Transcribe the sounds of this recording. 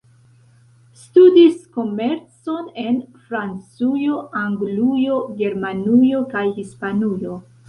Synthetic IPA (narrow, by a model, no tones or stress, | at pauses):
studisko̞me̞ɾt͡so̞ne̞nfɾant͡sujo̞ʔaŋɡlujo̞ɡe̞ɾmanujo̞kajhispanujo̞